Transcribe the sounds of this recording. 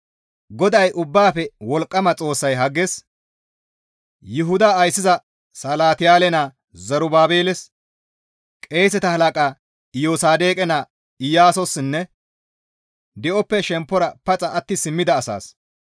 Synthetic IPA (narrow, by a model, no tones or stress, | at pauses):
ɡɔd̪ɐjʔʊbːaːpɛwɔlkʼːɐmɐt͡sʼo̞ːsːɐjɦɐɡːɛs | jɪɦʊd̪aːjsːɪzɐ | sɐlaːt̪ɪjaːlɛnaː | zɐɾʊbaːbeːlɛs | kʼe̞ːsɛt̪ɐhɐlɐkʼaː | ɪjoːsaːd̪e̞ːkʼɛnaː | ɪjaːsɔsːɪnːɛ | d̪ɛʔɔpːɛʃɛmpːɔɾɐpɐt͡sʼɐɐt̪ːɪsɪmːɪd̪ɐːsa̰ːs